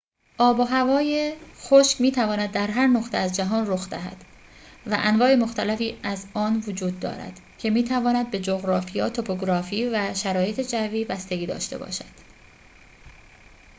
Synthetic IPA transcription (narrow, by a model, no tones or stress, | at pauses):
ʔɒːboɦævɒːjexoʃkmiːt̪ʰævɒːnæd̪̚ːæɾɦæɾnoxt̪ʰeæzd͡ʒæɦɒːnroxd̪æ̰ɦæ̰d̪̥ | væʔænvɒːe̞moxt̪ʰælæfiːæzɒːnvod͡ʒuːd̪ːɒ̰ːɾæ̰d̪̥ | cʰe̞miːt̪ʰævɒːnæd̪̚be̞d͡ʒoɣɾɒːfijɒːt̪ʰopʰoɡɾɒːfiːvæʃæɾɒːje̞t̪ʰed͡ʒæviːbæst̪e̞ɡiːd̪ɒ̰ːʃt̪e̞̰bɒ̰ːʃæd̪̥